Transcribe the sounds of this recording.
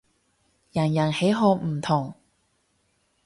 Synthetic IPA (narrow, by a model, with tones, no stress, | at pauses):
jɐ˨˩njɐ˨˩nhe˨˥jɦɔː˧m̩˨˩t̪ʰʊ˨˩ŋ